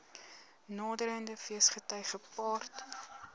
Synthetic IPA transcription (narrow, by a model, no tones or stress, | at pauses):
nɑːdəɾəndəfiəsχətœjχəpɑːrt